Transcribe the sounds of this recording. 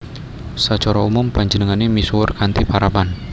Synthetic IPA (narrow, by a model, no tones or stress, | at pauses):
sət͡ʃɔɾɔumʊmpaɲd͡ʒənəŋanemiswʊrkant̪ipaɾaban